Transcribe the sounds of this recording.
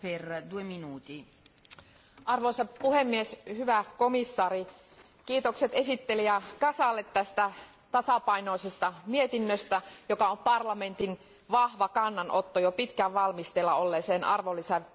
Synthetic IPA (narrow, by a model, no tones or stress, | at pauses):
perd̪ueminuːt̪i | ʔɑrʋoisɑpuhemːieshyʋækomisːɑːri | kiːt̪okset̪esit̪ːeliækɑsɑlːet̪tæst̪æ | t̪ɑsɑpɑinoisest̪ɑmiet̪inːøst̪æjokɑompɑrlɑme̞nt̪in | ʋɑhʋɑkɑnːɑnʔot̪ːojopit̪kæʋʋɑlmist̪elːɑolːeːseːnʔɑ̰rʋolːisæ